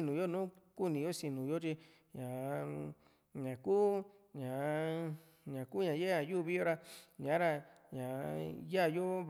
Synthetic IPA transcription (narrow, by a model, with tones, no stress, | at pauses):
nũ˨jo˦nũː˦ku˦nĩ˨˧jo˦si˧nũ˨jo˦t͡ʃi˧ | ɲã˨˧ | ɲã˨ku˦ | ɲã˨ | ɲã˨ku˦ɲã˨je˦ã˧˨juː˦˧βi˦o˧ɾa˧ɲã˨˦ɾa˧ | ɲã˨ja˦˨jo˦